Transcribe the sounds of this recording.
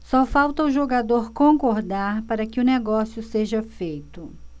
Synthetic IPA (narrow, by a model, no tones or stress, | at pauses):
sɔfawt̪ɐʊʒoɡad̪oɾkõkoɾd̪aɾpaɾɐkɪʊneɡɔsjʊseʒɐfejt̪ʊ